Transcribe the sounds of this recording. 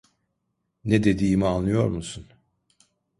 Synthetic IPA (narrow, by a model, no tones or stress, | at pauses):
ned̪e̞d̪iːimianlːˠɯjo̞ɾmusun